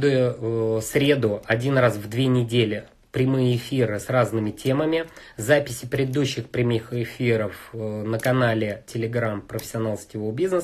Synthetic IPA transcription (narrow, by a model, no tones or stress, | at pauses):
d̪ujʊsɾʲe̞d̪ʊɐdʲinrasvd̪vʲenʲɪdʲelʲɪ | pɾʲɪmɨjəɪfʲirɨsraznɨmʲɪtʲeməmʲɪzapʲɪsʲɪpɾʲɪd̪ɪd̪uɕːɪxpɾʲɪmɨxɪfʲiɾəfnəkɐnalʲɪtʲɪlʲɪɡɾampɾəfʲɪ̥sʲɪɐnalˠsʲtʲɪvobʲiznəs